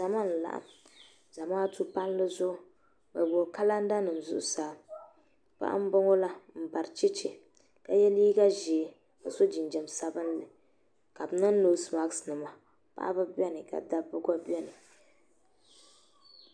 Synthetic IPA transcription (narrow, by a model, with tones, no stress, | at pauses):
a˨ma˦˨n˨la̰˨ʔa̰˨m | za˨maː˦tu˦pa˦n˦lɨ˦zʊ˦ʔʊ˨ | ba˨bo˨ka˦la˦n̩˦da˦nɨ˨m˨zʊ̰˦ʔʊ˦saː˨˦ | pa̰˦ʔa̰˦m̩˦bʊ˦ŋo˦la˦m̩˨ba˨ɾt͡ʃi˦t͡ʃɪ˨ | ka˦jɛ˦liː˦ɡa˦ʒɛ˨ | a˨so˦d͡ʒi˨nd͡ʒɛ˨msa˦bɨ˦n˦lɨ˨ | ka˨bɨ˨˦nɨ˦n˦lo˨˦sma˦ɡsnɨ˨ma˨ | pa̰˦ʔa̰˦bɨ˦bɛ˦nɨ˨ka̰˨da˦bɨ˦ɡa˦bjɛ˦nɨ˨